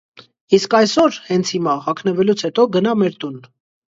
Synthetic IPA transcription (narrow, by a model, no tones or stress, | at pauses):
iskɑjsɔɾhɛnt͡sʰhimɑhɑkʰnəvɛlut͡sʰhɛt̪ɔɡənɑmɛɾt̪un